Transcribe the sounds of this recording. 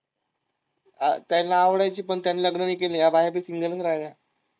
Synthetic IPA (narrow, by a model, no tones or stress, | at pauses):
a̰t̪jalːaːʋɽajt͡ɕiːpəɳt̪janːeːləɡɳəniːkelejabʱajapiːsiŋɡələsɾajlja